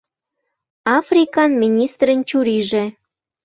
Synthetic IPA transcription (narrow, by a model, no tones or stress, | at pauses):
ɑfrʲikɑnmʲinʲist̪rənt͡ɕuɾiʒĕ